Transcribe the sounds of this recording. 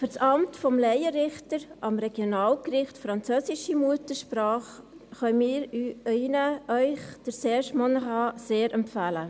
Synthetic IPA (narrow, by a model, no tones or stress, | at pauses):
fyɾsɑmtfɔmlɛɪəɾɪχtəɾʔɑmɾɛɡjonɑːlkɾɪχtfɾɑnt͡søːsɪʃimuətəʃpɾɑːχ | χœmiːɾinəʔœʏχd̥əɾseːʃmonəɦɑːseːɾɛmpfæːlə